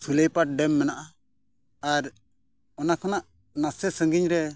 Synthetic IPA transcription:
sulɛjpaʈ̚ɖɛmːɛnaʔa | aɾ | ɔnakʰɔnaʔ | nasɛsəŋɡiɲɾɛ

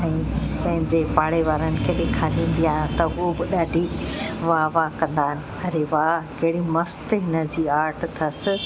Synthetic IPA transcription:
ĩpɐ̃ɦɪ̃ɲd͡ʑepaːɽeʋaːɾənɪ̆kʰeːɗẽkʰaːlĩːn̆d̪ijaːɦɪñt̪ɐobɪɗaːɖʱiʋaːʋakɐ̃nd̪aːɦɪnɪ̆ | ɐɾeʋakɐɦɪɽimɐst̪ɪɦɪnəd͡ʑiːaːɾʈʰt̪ʰɐsɪ̆

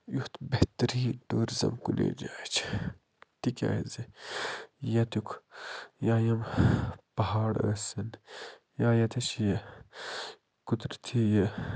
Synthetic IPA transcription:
juht̪bɐht̪ɐɾiːʈuːɾzɐ̰mkulʔḛːd͡ʒaːt͡ʃʰ | t̪ikʲa̰zi | jɐt̪ukʰ | jaːjɐmpɐɦaːɽɐ̰sɐn | jaːjɐt̪ʰɐt͡ʃʰjɐ | kut̪ɾt̪ʰijɐ

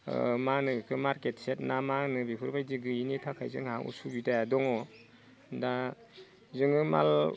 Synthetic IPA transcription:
manɯkʰɯmaɾket̚set̚namanɯbipʰɯɾbajziɡɯinitʰakʰajzɯ̰ŋhaŋṵsubitajadɔŋɔ | da | zɯŋɯma̰l

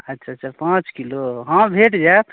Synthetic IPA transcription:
ətːʃʰatːt͡ʃʰapãt͡ʃkiloɦãbʱeʈd͡ʒat̪

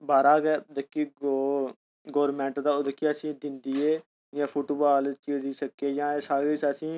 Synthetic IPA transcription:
baːɾaːɡed̪əkːiːɡo | ɡoːɾmɛ̃ːɳʈd̪aːod̪əkiːəsĩːd̪ɪnd̪iːeː | jãːpʰuːʈoːbaːlt͡ʃiːɾd̪iːsəkːeːjãːeːsaːɡiːsəsĩː

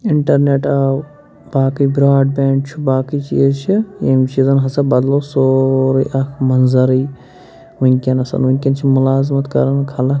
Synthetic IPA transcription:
iɳʈɐɾneʈa | baːkibɾaːɖ̚beːɳɖt͡ʃʰubaːkit͡ʃḭzt͡ʃʰijemt͡ʃʰizɐnɦɐsɐbɐd̪loːsoːɾijʔɐkʰmɐnzɐɾij | unʲkʲɐnɐsɐ̰nunʲkʲɐnt͡ʃʰimulaːzmɐt̪kɐ̰ɾɐnkʰɐlɐ

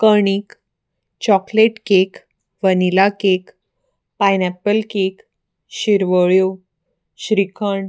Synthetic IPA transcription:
kəɳ̃iːk | t͡ɕɔkleʈkek | ʋənilakek | pajnɛpːəlkek | ɕiɾʋəɭjo | ɕɾikʰəɳ

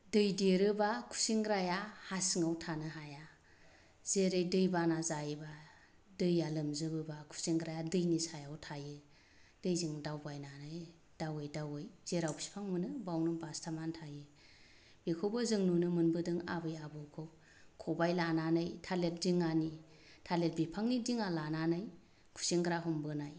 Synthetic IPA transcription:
dɯjdeɾɯbakʰu̥siŋɡɾajahasiŋawtʰanɯɦaja | z̥eɾɯjdɯjbanazajba | dɯjalɯmzɯbɯbakʰu̥siŋɡɾajadɯjnisajawtʰajɯ | d̥ɯjziŋdawbajnanɯj | d̥awɯjdawɯjzeɾawbsi̥pʰaŋmɯnɯbawnɯbastʰamantʰajɯ | b̥ikʰowbɯzɯŋnunɯmɯnbɯdɯŋa̰bɯjabɯkʰɯw | kʰɔbajlananɯjtʰalet̚diŋani | tʰalet̚bipʰaŋnidiŋalananɯj | kʰu̥seŋɡɾaɦɔmbɯnaj

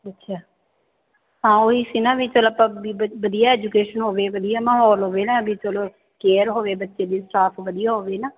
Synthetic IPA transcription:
ətːʃʰaː | ɦãːoːɦiːsiːnaːʋiːt͡ʃəlopãːbiəʋəd̪ijaːɛːd͡ʒukeːʃənɦoːʋeːʋəd̪ijaːməɦɔːlɦoːʋeːnaːbʱiːt͡ʃəloː | keːɾɦoːʋeːbətːʃeːd̪iːsʈaːpʰʋəd̪ijaːɦoːʋeːnaː

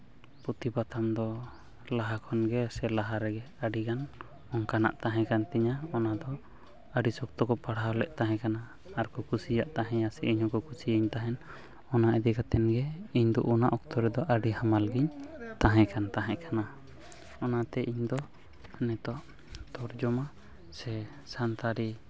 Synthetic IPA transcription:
pɔt̪ibat̪ʰamd̪ɔ | laɦakʰɔnɡɛsɛlaɦaɾɛɡɛ | aɖikan | ɔŋkana̰ʔt̪aɦɛ̃kant̪ɛɲaɔnad̪ɔ | aɖisɔk̚t̪ɔkɔpaɽalɛʔt̪aɦɛ̃kanaː | ɾkɔkusijaʔt̪aɦɛ̃asɛʔiɲhɔ̃kɔkusijəɲt̪aɦɛn | ɔnaʔɛd̪iɡat̪ɛnɡɛiɲd̪ɔʔunaʔɔk̚t̪ɔɾɛd̪ɔʔaɖihamalɡiɲt̪aɦɛ̃kant̪aɦɛ̃ʔkʰana | ɔnat̪ɛʔiɲd̪ɔ | nɛt̪ɔʔ | t̪ɔɾd͡ʒɔma | sɛ | sant̪aɾi

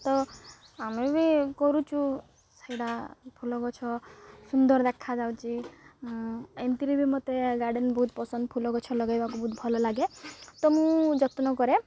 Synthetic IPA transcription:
t̪ɔ | amebikɔɾut͡ʃʰu | sajɽapʰulɔkɔt͡ʃʰɔsund̪ɔɾd̪ekʰad͡ʒawt͡ʃʰi | ent̪iɾibʱimɔt̪eɡaɾɖenbɔɦut̪pɔsɔnd̪ɔpʰulɔɡɔt͡ʃʰɔlɔɡajbakubɔɦut̪bʱɔlɔlaɡet̪ɔmũd͡ʒɔt̪nɔkɔɾe

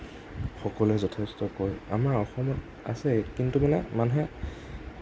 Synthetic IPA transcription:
xɔkɔlɛzɔtʰɛstɔkɔjamaɹɔxɔmɔt | a̰sɛkintumanɛmanɦɛ

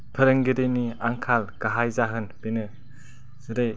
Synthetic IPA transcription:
pʰɐɾɯŋɡiɾeniaŋkʰalkaɦajzaɦɯnb̥enɯ | sɯɾej

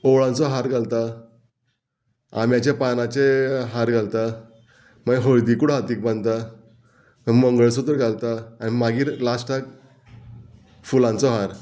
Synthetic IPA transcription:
oɭãnt͡sɔɦaɾɡʱalt̪a | a̰mjat͡ɕjapanat͡ɕeɦaɾɡʱalt̪a | məɡɦoɭd̪ikuɽɦat̪iːk̚bãnd̪t̪a | məməŋɡəɭsud̪əɾɡʱalt̪aːnimaɡiːɾlasʈʰak | fulãnt͡sɔɦaɾ

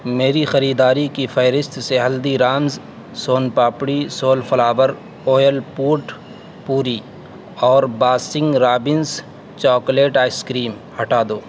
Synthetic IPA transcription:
meːɾixɐɾiːd̪aːɾikifʰɐɪɾɪst̪seɦɐld̪iɾaːmz | soːnpaːpɽisoːlfɐlaːʋəɾ | oːjəlpuːʈ | puːɾi | ɔːɾbaːsɪ̃ŋɡɾaːbɪns | t͡ʃɔːkleːʈaːɪskɾiːm | hɐʈaːd̪oː

